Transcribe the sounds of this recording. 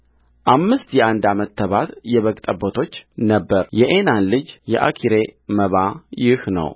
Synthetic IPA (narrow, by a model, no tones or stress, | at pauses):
ʔamːɨst̪jɛʔand̪amət̪ʰːəβat̪jɛβəɡt̪ʼəbət̪ʰo̞t͡ʃːnəbːəɾjɛʔenanlɨd͡ʒjɛʔa̰kʰiɾeməβajɪhnə̰w